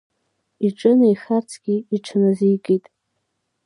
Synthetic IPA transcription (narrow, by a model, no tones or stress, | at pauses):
iʈ͡ʂʼɨnaiχart͡sʰɡ̥ʲiiʈ͡ʂʰanazijɡʼijtʼ